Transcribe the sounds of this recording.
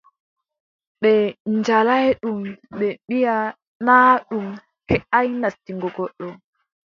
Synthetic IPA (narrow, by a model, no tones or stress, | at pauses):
ɓɛnd͡ʒalajɗumɓɛɓija | naːɗum | kɛʔajnastiŋɡɔɡɔɗːɔ